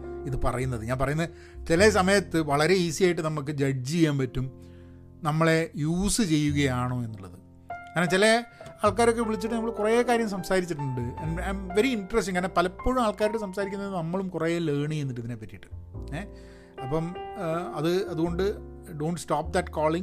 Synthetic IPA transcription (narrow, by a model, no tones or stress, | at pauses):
iðɨpɐrɐjunːɐðɨɲaːnpɐrɐjunːɐ | t͡ɕilɐs̬ɐmɐjɐt̪ːɨʋɐɭɐɾe̞iːsijaːjiʈ̬ːɨnɐmːuk̬ːɨd͡ʑɐd͡ʑijaːnpɐtːum | nɐmːɐɭe̞juːsɨt͡ɕe̞jːuɣɐjaːɳoːe̞nːuɭːɐðɨ | kaːɾnːat͡ɕilɐaːɭkaːɾo̞k̬ːe̞ʋiɭit͡ɕːɨʈːɨnɐmɐɭkurekaːɾjɐmsɐmsaːɾit͡ɕːiʈ̬ːuɳɖɨɐnɐjmʋe̞ɾiiɳɖɐrestiŋkaːɾnɐpɐlɐpːo̞ːɻumaːɭkaːɾoʈːesɐmsaːɾikʲːunːɐðnɐmːɐɭumkureleːɳienːiʈ̬ːɐðinepːɐtːiʈːɨ̥ | ɐpːɐmɐðɨɐðuɣo̞ɳɖɨ | ɖo̞ːɳʈstaːp̚d̪ɐʈkoːɭiŋ